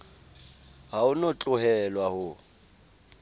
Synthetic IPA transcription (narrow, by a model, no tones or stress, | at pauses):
haʊnɔt͡ɬʼʊhɛlwahʊ